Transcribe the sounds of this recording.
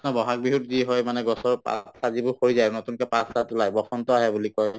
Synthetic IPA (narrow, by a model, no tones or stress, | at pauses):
nɔbɔɦak̚biɦutziɦɔjmanɛɡɔsɔɹpa̰sazibʊxoɹizajnotunkɛpasatulajbɔxʰɔntɔaɦɛbulikɔj